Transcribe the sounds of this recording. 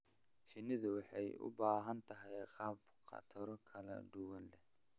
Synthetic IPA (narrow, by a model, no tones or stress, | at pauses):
ʃɪnɪðʊwɑħɑjʊ̰baːɦɐnt̪ʰɐɦɛjqɑːb | qʰɑ̰t̪ʰɐɾɔkʰɐlɐ̰ɖʊwɐlːɛ